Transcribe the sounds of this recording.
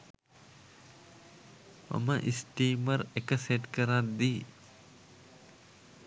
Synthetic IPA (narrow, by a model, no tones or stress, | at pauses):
ma̰məʔisʈiːməɾekəseʈkəɾat̪d̪iː